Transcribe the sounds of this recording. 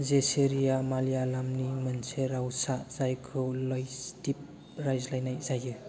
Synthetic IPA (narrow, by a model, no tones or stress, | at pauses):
zeseɾijamalijalamnimɯnseɾawsaz̥ajkʰɯwlɔjstip̚ | ɾajzlajnajzajɯ